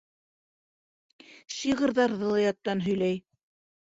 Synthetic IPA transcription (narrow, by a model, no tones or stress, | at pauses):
ʃiʁɤ̆ɾðɑɾðɤ̆lˠɑjɑt̪ːɑnɦɵ̆jlæj